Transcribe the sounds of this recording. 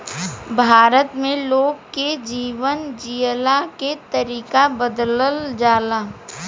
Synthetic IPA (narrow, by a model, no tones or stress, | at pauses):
bʱaːɾət̪mẽloːɡ̚ked͡ʒiːʋənd͡ʒijlaket̪əɾiːkabəd̪ləld͡ʒaːlaː